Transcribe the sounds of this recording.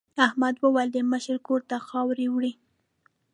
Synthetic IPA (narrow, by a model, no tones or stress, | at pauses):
ahmad̪wəwald̪əməʃəɾkoɾt̪axɑwɾewɽi